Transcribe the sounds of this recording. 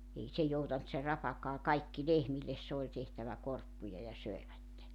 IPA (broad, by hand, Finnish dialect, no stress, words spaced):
ei se joutɑnt se rɑpɑkɑː kɑikːi lehmilːes se olʲ tehtæʋæ korpːujɑ jɑ søiʋætːe